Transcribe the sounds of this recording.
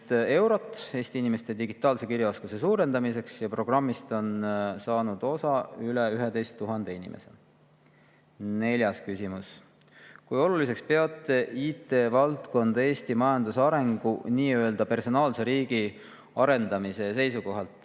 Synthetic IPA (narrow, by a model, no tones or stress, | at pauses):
e̞wɾo̞t̪ːˑe̞ːst̪iinime̞st̪e̞d̪iɡit̪ˑːɑːlse̞kiɾjɑo̞skuse̞suːɾe̞nd̪̥ɑmise̞ksjɑpro̞ɡ̥rɑmːist̪o̞nsɑːnud̪̥o̞sɑyleyɦe̞d̪e̞jst̪ːuɦɑnd̪̥e̞inḭmʔe̞̰se̞̰ | ne̞lʲjɑskysimus | kujo̞lulis̬e̞kspe̞ɑt̪ˑːe̞iːt̪ːˑe̞vɑlt̪ko̞nd̪̥e̞ːst̪imɑjɑnd̪̥usɑɾe̞ŋɡ̥uniːøeld̪ɑpe̞rso̞nɑːlse̞ɾiːɡ̥i | ɑɾe̞nd̪̥ɑmise̞se̞jsuko̞ɦɑlt̪ˑ